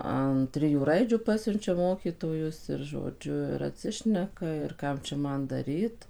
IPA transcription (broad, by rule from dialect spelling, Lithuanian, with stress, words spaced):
ɐn ˈtʲrʲɪjuː ˈrɐɪd͡ʒʲuː ˈpɑːsʲʊnʲt͡ʃʲɛ ˈmoːkʲiːtoːjʊs ɪr ʒoːˈd͡ʒʲʊ ɪr ɐtʲˈsʲɪʃʲnʲɛkɐ ɪr ˈkɐm t͡ʃʲɛ ˈmɐn ˈdɑːrʲiːt